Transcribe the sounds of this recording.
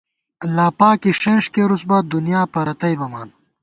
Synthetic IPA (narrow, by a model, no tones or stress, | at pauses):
ɐlaːpaːkiʂɐnʂkeɾusbad̪unjaːpɐɾɐt̪ɐjbɐmaːn